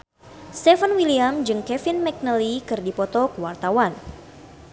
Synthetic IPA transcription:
st̪ɛfanwiliamd͡ʒɨŋkɛfinmɛk̚nəlikɨrdipɔt̪ɔkəwart̪awan

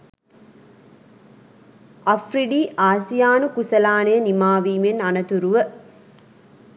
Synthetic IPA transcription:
ɐfriɖiːʔaːsijaːnukusɐlaːnejːnimaːʋiːmenɐnɐt̪uɾuʋə

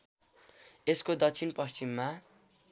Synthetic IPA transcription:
eskod̪ʌk̚t͡sʰinpʌst͡ɕimːa

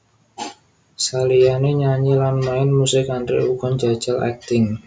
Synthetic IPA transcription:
salianeɲaɲilanmaɪnmusɪkandɾḭuɡɔnd͡ʒḁd͡ʒəlɛ̰k̚t̪ɪŋ

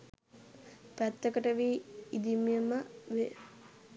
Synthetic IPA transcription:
pæt̪ːəkəʈəʋiːid̪imiəməʋe

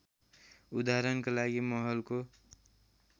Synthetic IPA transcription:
ud̪aɾənkalaɡimɔɦəlko

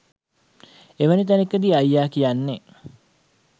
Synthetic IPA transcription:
eʋənit̪ænekːəd̪iːajːaːkijanːe

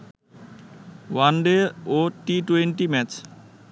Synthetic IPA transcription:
wanɖeoʈiʈuweɳʈimɛt͡ɕ

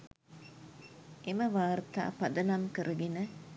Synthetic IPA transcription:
ʔeməʋaːɾt̪a̰ːpɐd̪ɐnamkəɾʔəɡenə

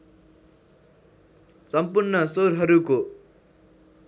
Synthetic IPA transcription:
sʌmpurnʌsoɾɦʌɾuko

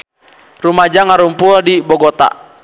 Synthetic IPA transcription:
rumad͡ʒaŋaɾumpuɔdibɔɡɔt̪a̰

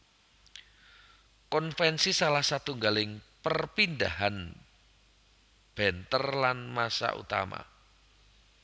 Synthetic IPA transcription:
kɔnfɛnsisalahsat̪uŋɡalɪŋpərpindaɦan | b̥ɛnt̪ərlanmasa̰ʔṵt̪a̰ma̰

